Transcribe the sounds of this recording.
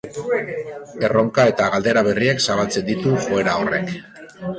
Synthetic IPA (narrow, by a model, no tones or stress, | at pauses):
e̞ro̞ŋkae̞t̪aɣald̪e̞ɾaβ̞e̞rieksaβ̞alt͡se̞nd̪it̪uʝo̞e̞ɾao̞re̞k